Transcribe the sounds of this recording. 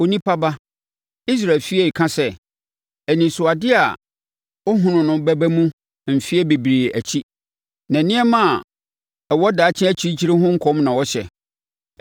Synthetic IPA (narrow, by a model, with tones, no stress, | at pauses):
o˨nĩ˦pʰa˦ba˦ | i˦s̬ɾa˨lfi˦ɛ˦˨i˨kʰã˦sɛ˦ | æ˨nĩ˨sʊ˨a˨dɪ˦a˨ | ɔ˦ɦʊ̃˨nʊ̃˨nʊ̃˨bæ˦bæ˦mũ˦ | m̩˨fi˦ɛ˦be˨bɾi˨æ˨t͡ɕʰi˦ | nã˨nɪ̃˦ɛ˦mã˦a˨ | ɛ˨wɔ˦da˨˦t͡ɕʰɪ̃˦æ˦t͡ɕʰi˦t͡ɕʰi˦ɾe˦ɦʊ̃˦ŋ̩˦kʰɔ̃˦mnã˨wɔ˦ɕɛ̰˨